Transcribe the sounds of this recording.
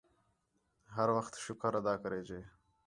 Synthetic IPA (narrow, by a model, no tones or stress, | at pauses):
ɦaɾwaxt̪ʃʊkəɾad̪ɑːkəɾeːd͡ʒeː